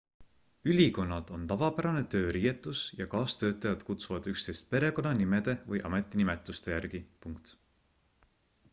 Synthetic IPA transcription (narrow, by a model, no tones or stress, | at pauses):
ylʲiko̞nːɑd̪̥o̞nt̪ɑvɑpæɾɑne̞t̪ø̞ːɾiːje̞t̪ːˑusjɑkɑːst̪ø̞ːt̪ːˑɑjɑd̪̥kut̪suvɑd̪̥ykst̪e̞jst̪̚pe̞ɾe̞ko̞nɑnime̞d̪̥e̞vɤjʔɑ̰me̞t̪ːˑinimɛt̪ːˑust̪e̞jærɡ̥ipuŋkt̪